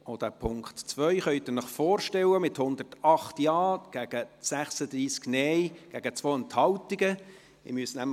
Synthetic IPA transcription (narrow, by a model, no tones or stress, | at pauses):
od̥æɾpʰʊŋktt͡sʋœʏχœʏt̪ɪnəχfɔːɾʃtɛləmɪthʊnd̪ərtɑχtjɑːɡ̥æɡ̥əsæχsəd̪ɾiːsknɛɪɡ̥æɡ̥ət͡sʋoːɛnthɑltiɡə | ɪ̰myəsnæm